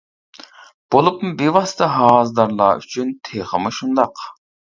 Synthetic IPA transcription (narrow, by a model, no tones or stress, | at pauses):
b̥olˠupmubivɑst̪ʰəɦɑːzd̪ɑɾlˠɑ̰ːy̰t͡ʃʰynt̪ʰeχəmɨʃund̪ɑq